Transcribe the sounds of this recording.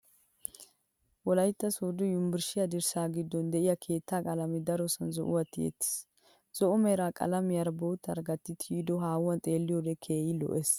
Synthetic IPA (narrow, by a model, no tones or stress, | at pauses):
wɔlɐjt̪ːɐsoːd̪ɔjʊmbɪɾʃɪjɐd̪ɪɾsaːɡɪd̪ːɔnd̪ɛʔɪjɐkʰe̞ːt̪ːaːkʼɐlɐmɪd̪ɐɾɔsɐnzɔ̰ʔʊ̰wɐt̪ːɪjḛt̪ːɪ̥s | z̥ɔʔʊmɛɾaːkʼɐ̰lɐmɪjɐɾboːt̪ːɐ̰ɾɡɐt̪ːɪt̪ʰiːd̪ɔɦaːwwɐnt̪ʼe̞ːlːɪjɔd̪ɛkʰeːjɪlɔ̰ʔes